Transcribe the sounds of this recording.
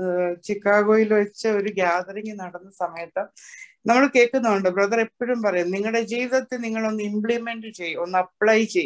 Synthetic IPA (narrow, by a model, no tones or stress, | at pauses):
t͡ɕikːaːɣoːjilʋɐt͡ɕːɨo̞ɾuɡjaːd̪ɐɾeŋɡinɐɽɐnːɐsɐmɐjɐt̪ːɐnɐmːɐɭke̞ːkːunːuʋoɳɖɨbrɐðɐrepːɐɾumpɐrɐjunniŋːɐɭɽe̞d͡ʑiːʋiðɐt̪ːeniŋːɐɭo̞nːɨimbɭime̞ɳɖɨt͡ɕe̞jːuonːɨɐpɭɐjt͡ɕe̞j